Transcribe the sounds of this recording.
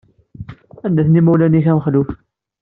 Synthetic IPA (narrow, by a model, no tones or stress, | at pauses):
ænd̪æθnimælæniçæməχluf